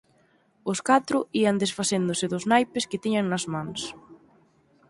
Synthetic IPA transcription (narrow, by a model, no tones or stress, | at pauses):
ʊskat̪ɾʊiɐnd̪esfasend̪ʊsɪðʊznajpɪskɪt̪iɲɐŋnɐzmãŋs